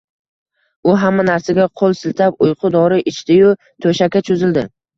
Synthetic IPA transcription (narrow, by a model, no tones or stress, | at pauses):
ʊɦamːanaɾsaɡʲaqʰolˠsɪlt̪ʰap̚ʊjqʰʊd̪ɒɾɪʔɪt͡ʃt̪ʰɪjʊ | t̪ʰoʃakʲat͡ʃʰʊzɪld̪ɪ